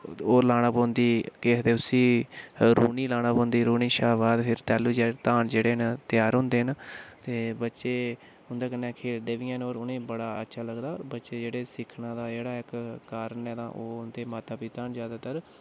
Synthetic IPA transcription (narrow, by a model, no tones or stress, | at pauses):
oːɾlaːɽ̃ãːbõːnd̪iːkeːkʰt̪eːʊsĩːɾuːniːlaːɽ̃ãːpõːnd̪iːɾuːniːʃaːʋaːd̪pʰɪɾt̪ɛːluːd͡ʒeːt̪aːnd͡ʒeːɽeːɦənt̪ɪjaːɾɦʊ̃ːnd̪eːɦənt̪eːbətːʃeː | ɦʊnd̪aːkənːɛ̃ːkʰeːld̪eːʋijãːnoːɾʊnẽːbəɽaːə̰tːʃʰaːləɡd̪aːbətːʃeːd͡ʒeːɽeːsɪkʰnãːd̪aːd͡ʒeːɽaːɪkkaːɾənɛːt̪ã̰ːʔoːʊnd̪eːmaːt̪aːpiːt̪aːnzjaːd̪aːt̪əɾ